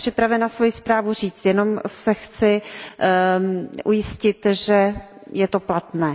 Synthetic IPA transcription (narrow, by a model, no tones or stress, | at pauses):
r̝̥ɪpɾavɛnasvo̞jɪspɾaːvur̝iːt͡st̪jɛno̞msɛxt͡sɪ | ʔujɪscɪt̪ʒɛjɛt̪o̞plat̪nɛː